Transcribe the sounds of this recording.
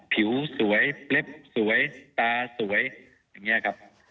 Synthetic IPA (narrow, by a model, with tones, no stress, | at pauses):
pʰi˩˦wsu˩˦əjple˦˥˩p̚su˩˦əjt̪aː˧su˩˦əj | jaː˨˩ŋːi˦˥ɐkʰa˦˥p̚